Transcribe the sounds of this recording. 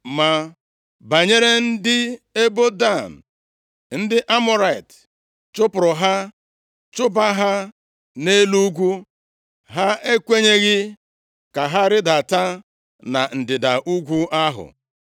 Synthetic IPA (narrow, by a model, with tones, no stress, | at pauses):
ma˨ | ba˨ɲe˦ɾe˦n̩˦dɪ˦e˦bo˦da˦˨n̩˨ | n̩˦dɪ˦ʔa˦mʊ˦ɾa˦˨i˨t | t͡ʃʊ˦pʊ˨ɾʊ˨ɦa˦ | t͡ʃʊ˦ba˦ɦa˦ | ne˦lu˦ɡʷu˦ | ɦa˦e˦kʷe˦ɲe˦ɣɪ˦ | ka˨ɦa˦ɾɪ˦da˨ta˦ | na˨n̩˨dɪ˨da˨ʔu˦ɡʷu˦ʔa˦ɦʊ̰˨